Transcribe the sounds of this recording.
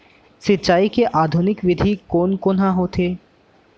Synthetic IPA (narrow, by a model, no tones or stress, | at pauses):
sit͡ɕaikeʔad̪ʱunikʋid̪ʱikonkonaɦot̪ʰe